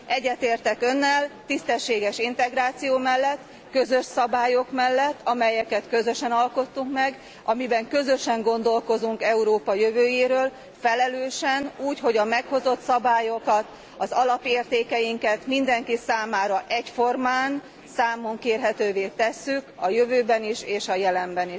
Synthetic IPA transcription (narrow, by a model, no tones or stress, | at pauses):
ɛɟːɛt̪eːrt̪ɛkø̞nːɛlt̪ist̪ɛʃːeːɡɛʃint̪ɛɡraːt̪sijoːmɛlːɛt̪ː | køzø̞ʃsɒbaːjo̞kmɛlːɛt̪ːɒmɛjɛkɛt̪kø̞zøʃɛnɒlko̞t̪ːuŋkmɛɡ | ɒmibɛŋkø̞zø̞ʃɛŋɡo̞nd̪o̞lko̞zuŋkɛuɾoːpɒjøvøːjeːɾøːl | fɛlɛløːʃɛnuːcho̞ɟɒmɛkho̞zo̞t̪sɒbaːjo̞kɒt̪ | ɒzɒlɒpeːrt̪eːkɛjiŋkɛt̪mind̪ɛŋkisaːmaːɾɒʔɛcfo̞rmaːn | saːmo̞ŋkeːrɦɛt̪øːveːt̪ɛsːykɒjøvøːbɛniʃeːʃɒjɛlɛmbɛniʃ